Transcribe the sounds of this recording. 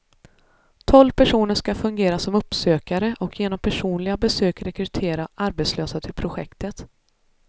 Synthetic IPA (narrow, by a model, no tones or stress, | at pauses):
t̪ʰɔlvpʰæʂuːnəʂkafɵŋɡeːɾasɔmɵpsøːkaɾəʔɔkʰjeːnɔmpʰæʂuːnlɪɡabɛsøːkɾɛkɾɵt̪ʰeːɾaʔaɾbeːt̪sløːsat̪ʰɪlpʰɾʊɧɛ̰kt̪ət̪